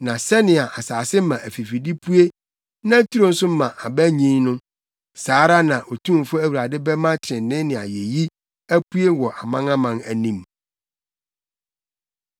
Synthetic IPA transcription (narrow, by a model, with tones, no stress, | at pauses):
nã˨sɛ˦nɪ̃˨a˨ʔa˨saː˨sɪ˦mã˨ʔæ˨fi˨fi˨di˦pʰu˦e˦ | nã˦tʰu˦ɾo˦n̩˦sʊ˦m̩˦mã˨ʔa˨bæ˦ɲĩ˦nʊ̃˦ | saː˨˦ɾa˦nã˨ʔo˨tʰũ˦m˨fʊ˦æ˦wu˨ɾa˨dɪ˦bɛ˦mã˦tʰɪ˨ɾɪ̃˨n˨nɪ̃˦nɪ̃˨a̰˨je˨ji˦ | æ˦ku˦e˦wɔ˨ʔa˨mã˦ŋã˦mã˨næ˨nĩ˦˨m